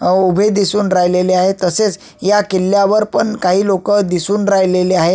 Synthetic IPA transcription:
ubʱed̪isuːnɾajleleaɦet̪əset͡s | jakilːjaʋəɾpəɳkaɦiːlokəd̪isuːnɾajleleaɦe

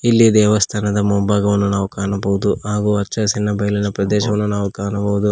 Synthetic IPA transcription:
ilːid̪ɛːʋɐst̪ʰaːnɐd̪ɐmoːbaːɡɐʋɐnːunaːʋukaːnɐbɐʋud̪uɦaːɡuɐt͡ʃːt͡ʃɐsinːɐbɐjlinɐpɾɐd̪ɛːʃɐʋɐnːunaːʋukaːnɐbɐʋud̪u

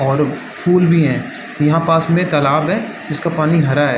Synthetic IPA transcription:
ɔːɾ | pʰuːlbʱiɦɛ̃ː | jɐɦãpaːsmẽt̪ɐlaːbɦɛ̃ː | d͡ʒɪskapaːniɦɐɾaɦɛː

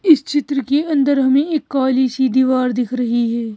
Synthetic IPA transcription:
ɪst͡ʃɪt̪ɾəkeɐ̃nd̪əɾɦɐmẽeːkːaːliːsid̪iːʋaːɾd̪ɪkʰɾɐɦiɦɛː

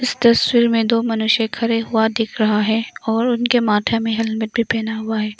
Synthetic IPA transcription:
ɪst̪ɐswiːɾmẽd̪oːmɐnʊʃjẽkʰɐɾeɦʊad̪ɪkʰɾɐɦaɦɛːɔːɾʊnkemaːʈʰjamẽɦɐlməʈ̚bʱipɛːnaɦʊaɦɛː

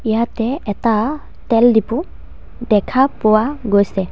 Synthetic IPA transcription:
ijatɛɛta | tɛldipʊ | dɛkʰapɔwaɡojsɛ

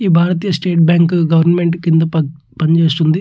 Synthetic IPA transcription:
iːbʱaːɾɐt̪iːjɐsʈeːʈbʲjaːŋkɡɐʋɐɾnme̞ɳʈkind̪ɐpɐ | pɐɲt͡ʃe̞ːst̪und̪i

